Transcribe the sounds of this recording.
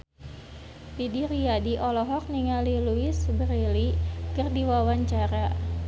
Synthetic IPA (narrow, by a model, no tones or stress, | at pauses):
t̪idiɾiadiʔɔlɔɦɔk̚niŋaliluɪsbəɾelikərdiwawaɲt͡ʃaɾa